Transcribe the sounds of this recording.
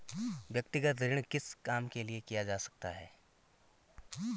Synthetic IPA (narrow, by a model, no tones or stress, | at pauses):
ʋjək̚t̪ɪɡət̪ɾɪɳkɪskaːmkeliekijad͡ʒaːsɐ̥k̚t̪a̰ɦɛ̰ː